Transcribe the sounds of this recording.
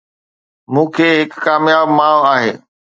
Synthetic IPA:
mũːkʰeːɦɪkːaːmjaːbmaːaːɦeː

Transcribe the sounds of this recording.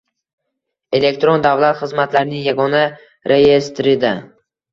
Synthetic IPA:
e̞le̞kʲt̪ɾond̪avlˠat̪χɨzmat̪laɾnɪŋjaɡɒna | ɾʔe̞je̞st̪ɾɪd̪a

